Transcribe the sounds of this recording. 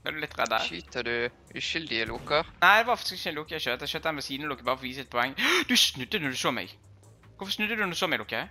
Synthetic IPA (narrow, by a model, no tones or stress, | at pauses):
æd̪ʉlɪt̪ːʁɛ̰d̪æ̰ɾʃyt̪əd̪ʉ | ʔʉʃʏld̪ɪəlukəʁnæɪd̪ɛʋɑfɑk̪̚t̪skɪçɛlʊkəøːt̪d̪ɛʃøːt̪ːɛnʋɛsiːd̪n̩lʊkːəbɑːɾəfɔʋiːsəɛt̪̚pʰɔɛŋːəd̪ʉsnʉd̪ːənɔd̪ʉsoːmɛ̰ɪ | ʋʊfɔsnʉd̪ːəd̪ʉnɔd̪ʉsoːmɛɪlʊkə